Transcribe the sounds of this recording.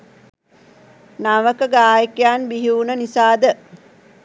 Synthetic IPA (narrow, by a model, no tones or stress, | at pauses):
naʋəkəɡaːjəkjaːnbiɦiunənisaːd̪ə